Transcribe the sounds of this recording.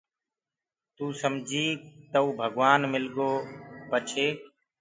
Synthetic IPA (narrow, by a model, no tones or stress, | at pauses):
t̪uːsəmd͡ʒʱiːt̪əuːbʱəɡʋaːnmɪlɡoːpət͡ʃʰeː